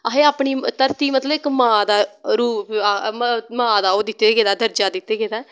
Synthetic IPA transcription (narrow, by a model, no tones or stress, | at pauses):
aɦeːaːpɳiːt̪əɾt̪iːmət̪ləbɪkmãːd̪aːɾuːamãːd̪aːoːd̪ɪt̪ːeːɡeːd̪aːd̪əɾd͡ʒaːd̪ɪt̪ːeːɡeːd̪aː